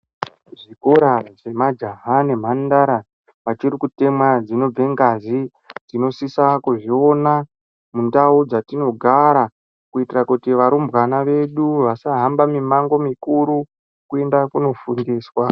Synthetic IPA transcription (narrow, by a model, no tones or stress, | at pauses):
ʐikoɾaʐe̞mad͡ʒaɦanem̤andaɾa | ʋat͡ʃirikute̞mwad͡zino̞b͡ve̞ŋɡazi | d͡zino̞sisakuʐio̞na | mundaud͡zatino̞ɡʱaɾa | kuitirakutiʋaɾumbwanaʋe̞ɗuʋasaɦambamimaŋɡo̞mikuɾu | kue̞ndakuno̞fundiːswa